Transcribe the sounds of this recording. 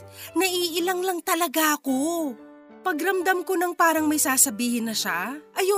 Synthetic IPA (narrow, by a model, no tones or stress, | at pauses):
nɐʔiːʔɪlɐŋlɐŋt̪ɐlɐɡaʔɐko | pɐɡɾɐmd̪amko̞nɐŋpaːɾɐŋmɐjsaːsɐbiːhɪnːɐʃaʔɐjo